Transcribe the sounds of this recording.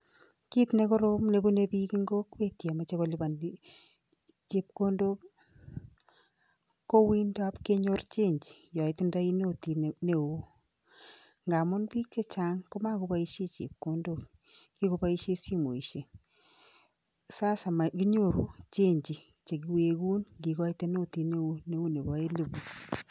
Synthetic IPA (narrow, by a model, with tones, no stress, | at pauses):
ki˦t̪ne˦kɔ˦ɾo˦mne˨bu˦ne˦bi˦ki˦ŋɡo˦kwe˦tja˨ma˨t͡ʃe˦kɔ˨lɪ˦ba˨n˦ | t͡ʃe˨p̚ko˦ndo˦k | ko˦wi˦nda˦pke˦ɲo˦rt͡ʃe˦ɲd͡ʒi˨jɔ˨ɪ˨tɪ˦nda˦i˦n˦o˨ti˨ne˦o˦ | ŋɡa˨mʊ˦nbi˦k̚te˦t͡ʃa˦ŋko˦ma˦ko˦ba˦i˦ʃe˦t͡ʃḛ˨p̚ko˦ndo˦k | ki˦ko˦pa˦i˦ʃe˦si˦mo˨i˨ʃe˨ | sa˦sa˨ma˨ki˦ɲo˦˨ɾu˦t͡ʃe˦ɲd͡ʒi˨ | t͡ʃe˨ɡi˨we˨ɡu˦nɡi˨ɡɔ˦i˦te˦no˦˨ti˨ne˦wu˦ne˦wu˦ne˨bɔ˨˦e˦le˨bu˨